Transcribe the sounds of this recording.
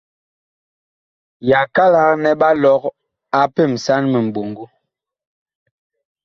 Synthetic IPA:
ja˨ka˦la˨knɛ˦ɓa˦lɔ˦k | a˨pɛ˦˨msa˦nmə˨m̩˨bo˨ŋɡo˦

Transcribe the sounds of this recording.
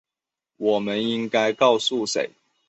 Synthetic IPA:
wɔ˨˩mə˦ni˦ŋka˦ɪkɑ˥˨ʊsu˥˨sḛ˨˦ɪ

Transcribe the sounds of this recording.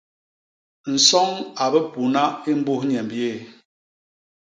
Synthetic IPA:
n̩˨sɔ˦ŋa˨bə˦pu˨na˦i˦m˦bu˦hɲɛ˨mbje˦˨

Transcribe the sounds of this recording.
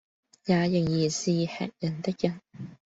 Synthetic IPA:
jaː˨˧jʊ˨˩ŋjiː˨˩siː˨˧hɛ̰ː˨k̚jɐ˨˩nt̪ɪ˥k̚jɐ˨˩n

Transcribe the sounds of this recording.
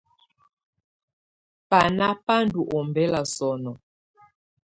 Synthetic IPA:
pa˨na˦pa˦ndu˨ʔɔ˨mbɛ˦la˨sɔ˨nɔ˨

